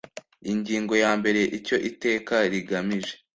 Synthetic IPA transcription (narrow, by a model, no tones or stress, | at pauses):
iɲɟiːŋɡo̞jaːmbe̞ɾe̞ʔico̞ʔite̞ːkaɾiɡamiʒe̞